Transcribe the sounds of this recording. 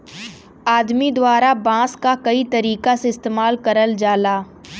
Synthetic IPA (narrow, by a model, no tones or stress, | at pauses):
aːd̪mid̪waːɾabãːskakɐit̪ɐɾiːkaseɪst̪eːmaːlkɐɾəld͡ʒaːlaː